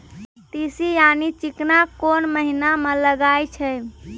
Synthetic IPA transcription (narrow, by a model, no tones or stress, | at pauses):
t̪isijanit͡ʃiknakonməɦinameləɡajt͡ʃʰəj